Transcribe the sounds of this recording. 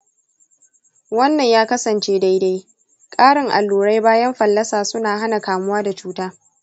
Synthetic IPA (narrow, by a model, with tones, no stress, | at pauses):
wɐ˦nːɐ˨ɲjaː˦kɐ˦sɐ˨nt͡ʃeː˦da˦jda˦j | kʼaː˦ɽɪ˨ŋʔa˨lːuː˨ɽa˦jbaː˦jɐ˦mɸɐ˨lːɐ˦saː˨sʊ˦naː˨ɦa˦na˨kaː˨mʊ˦waː˦da˨t͡ʃuː˦taː˦